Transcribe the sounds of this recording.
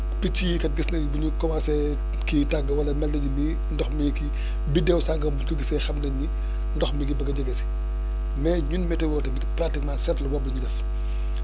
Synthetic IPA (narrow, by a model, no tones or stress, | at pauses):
pit͡ʃːiːkɐt̚ɡisnɐɡbuɲukɔmasɛ | kitaɡɐwɐlɐmɛlːɐɲinːi | ndɔxmiki | bidɛwsaŋɡɐbutkoɡisɛxɐmnɐɲːi | ndɔxmiɡibɐɡɐɟɐɡɛsi̥ | mɛːɲunmɛtɛwɔːtɐmikpɾaktikmasɛtlɐwɔbɐɲudɛf